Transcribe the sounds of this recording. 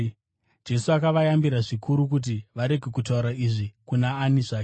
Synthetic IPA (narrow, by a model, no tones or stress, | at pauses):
d͡ʒe̞suakaʋajambiɾaʐikʰuɾuk̬ut̬iʋaɾe̞ɡʱe̞kutauɾaiʐikunaːniʐaːke